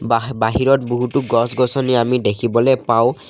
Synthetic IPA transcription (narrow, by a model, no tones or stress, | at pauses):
baɦiɹɔt̚boɦutuɡɔsɡɔsɔniamidekʰibɔlɛpaʊ̃